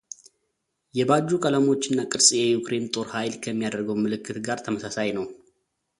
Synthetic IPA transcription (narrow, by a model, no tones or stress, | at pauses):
jɛbad͡ʒːukʼələmo̞t͡ʃːɪnːakʼɨɾsʼjɛjukʰɾe̞nt̪ʼo̞ɾhajlkʰəmːijad̪əɾɡəwmɨlɨkʰːɨt̪ɡaɾt̪ʰəməsasajnəw